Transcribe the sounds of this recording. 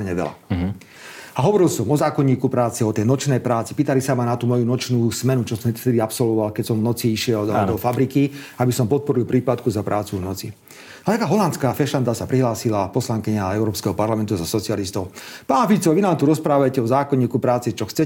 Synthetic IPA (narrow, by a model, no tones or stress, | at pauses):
ɲɛʋɛ̰la̰ | aɦɔʋɔɾilsɔmɔzaːkɔɲːiːkupɾaːt͡sɛɔt̪ɛjnɔt͡ʃnɛjpɾaːt͡sipiːt̪alisamanat̪uːmɔjunɔt͡ʃnuːsmɛnut͡ʃɔsɔmft̪ɛd̪iapsɔlʋɔʋalkɛcsɔmvnɔt͡siiʃɪɛlɔfabɾikiabisɔmpɔt̪̚pɔɾilpɾiːpat̪kuzapɾʔaːt͡suvnɔt͡si | at̪akaːɦɔlant̪t͡skaːfɛʃand̪asapɾiɦlaːsilapɔslaŋkiɲaɛʊɾɔːpskɛɦɔpaɾlamɛnt̪uzasɔt͡sialist̪ɔʊpaːnfit͡sɔʋinaːmt̪uɾɔspɾaːʋajcɛɔzaːkɔɲːiːkupɾaːt͡sɛt͡ʃɔxt͡sɛ